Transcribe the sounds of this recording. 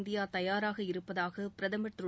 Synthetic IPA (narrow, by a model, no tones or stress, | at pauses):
nd̪ɪjaːt̪ɐjaːɾaːɣɐɪɾɯpːɐðaːɣɐpɪɾɐðɐmɐʈrɯ